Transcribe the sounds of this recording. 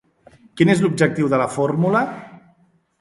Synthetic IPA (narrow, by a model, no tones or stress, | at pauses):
kinezlubd͡ʒək̚t̪iwðələformulə